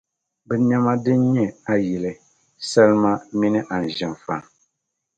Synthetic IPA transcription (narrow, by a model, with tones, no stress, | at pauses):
bɛ˨˦ɲɛ˦ma˦dɨ˦n˦ɲɛ˦a˦ji˨lɨ˨ | sɛ˦lɨ˦ma˦mi˦nɨ˦ʔa˨n̩˨ʒɪ˨m˨fa˨ŋ